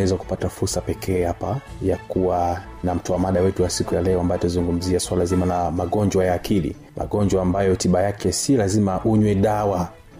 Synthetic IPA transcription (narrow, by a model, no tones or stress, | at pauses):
ɛzaku̥patafuɾsapɛkʰɛːhapajakuwa | nam̩tɔamaɗawɛtuwasikujalɛɔambajatazuŋɡum̩ziaswalazimalamaɠɔɲd͡ʒwajaːkʰilḭ | mʔa̰ɠɔɲd͡ʒwaːmbajɔtiɓajakɛsilazimaʔuɲwɛɗawa